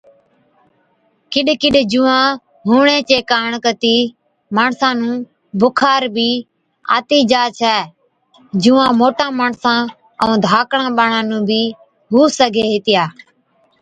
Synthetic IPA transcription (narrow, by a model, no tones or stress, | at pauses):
kɪɗkɪɗd͡ʒuːãː | ɦuːɳeːt͡ʃeːkaːɳkət̪iː | maːɳsãːnũː | bʊkʰaːɾbʱiː | a̰ːt̪iːd͡ʒaːt͡ʃʰɛː | d͡ʒuːãːmoːʈãːmaːɳsãː | əũːd̪ʱaːkɳãːɓaːɳãːnũːbʱiː | ɦuːsəɡʱeːɦɪt̪ɪjaː